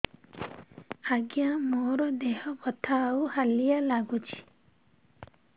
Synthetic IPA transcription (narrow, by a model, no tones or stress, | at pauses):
aɡijãmoɾɔd̪eɦɔkɔt̪ʰauhalijalaɡut͡ʃʰi̥